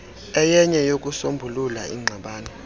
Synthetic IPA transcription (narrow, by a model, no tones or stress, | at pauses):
ɛjɛɲɛjok̬ʼusombʱululaḭŋ͡ǀʱaɓaːnɔ